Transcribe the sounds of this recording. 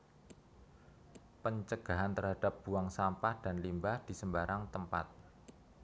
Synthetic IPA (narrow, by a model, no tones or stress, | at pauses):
pəɲt͡ʃəɡ̥a̤ɦant̪ərɦad̥ap̚b̥uaŋsampahd̥anlimbahd̥i̤səmbaɾʔaŋt̪əmpa̰t̪̚